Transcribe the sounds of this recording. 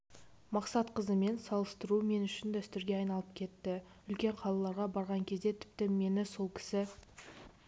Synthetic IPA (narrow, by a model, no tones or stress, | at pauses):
mɑqsɑt̪qʰəzəme̞nsɑlˠəst̪əɾume̞nʏʃɪnd̪æst̪ɪɾɡʲe̞ɑjnɑlˠəp̚kʲʰe̞t̪ːɪ | ʏlkʲe̞ɴqʰɑlˠɑlˠɑɾʁɑbɑɾʁɑŋkʲʰe̞zd̪e̞t̪ʰɪ̥p̚t̪ɪme̞nɪso̞lˠkʲʰɪ̥sɪ